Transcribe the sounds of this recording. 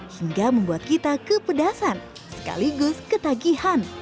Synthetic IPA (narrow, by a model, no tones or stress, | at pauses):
hiŋɡaməmbuat̪̚kit̪akəpədasan | sə̥ka̰liɡʊskət̪aɡihan